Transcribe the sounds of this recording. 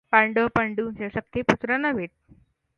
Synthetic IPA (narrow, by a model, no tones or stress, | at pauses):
paɳɖəpəɳɖunsesək̚t̪eput̪ɾanaʋeʈ̚